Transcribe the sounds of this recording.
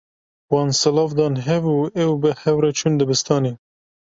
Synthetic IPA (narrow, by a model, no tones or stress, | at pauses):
wɑːnsɨlɑːfd̪ɑːnɦɛbuːɛwbɨhɛwɾɛt͡ʃʰund̪ɨbɨst̪ʰɑːne